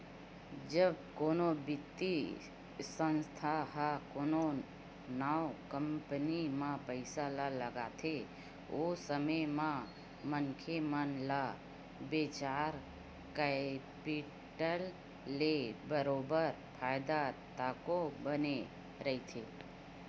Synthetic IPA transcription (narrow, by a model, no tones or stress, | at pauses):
d͡ʒəbkonobɪt̪ːi | sə̃nst̪ʰaɦakono | nawkəmpnimãpəɪsalaləɡat̪ʰe | osəməmã | mənkʰemənla | bet͡ʃaɾ | kapi | ʈəlː | ebəɾobəɾ | pʰajd̪at̪akobəne | ɾəit̪ʰe